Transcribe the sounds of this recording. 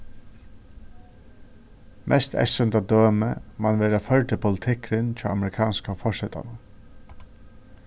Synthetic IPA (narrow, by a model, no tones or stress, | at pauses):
mʔɛ̰st̪ʰɛ̰sʏnt̪ad̪øːmə̰manʋeːɾafœɹʈ̪əpʰʊlɪt̪ʰɪkɾɪnt͡ɕʰaːa̰mɾɪkʰɑːnskafɔʂɛt̪a̰na